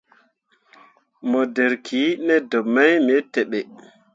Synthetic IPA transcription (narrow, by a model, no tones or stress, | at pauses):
mɔdɛɾkʰinɛdɔmajmɛtɛɓɛ